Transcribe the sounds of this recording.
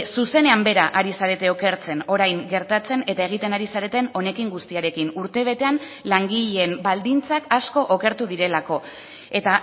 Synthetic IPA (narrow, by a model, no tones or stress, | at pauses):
suse̞ne̞ambe̞ɾaʔaɾisaɾe̞t̪e̞o̞ke̞ɾt͡se̞no̞ɾajŋɡe̞ɾt̪at͡se̞ne̞t̪ae̞ɣ̞it̪e̞naɾisaɾe̞t̪e̞no̞ne̞kiŋɡust̪iaɾe̞kinuɾt̪e̞β̞e̞t̪e̞anlaŋɡiʎeembald̪int͡sakasko̞ʔoke̞ɾt̪uðiɾe̞lako̞ | e̞t̪a